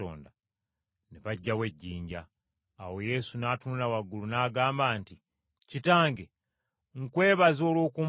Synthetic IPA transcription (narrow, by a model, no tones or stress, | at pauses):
o̰ːnda | neβaɟːawe̞ɟːiːɲɟaː | wo̞je̞ːsunaːtunulawaɡulunaːɡaːmbaːnti | citaːŋɡe | ŋ̩kwe̞ːβazo̞ːlwoːkum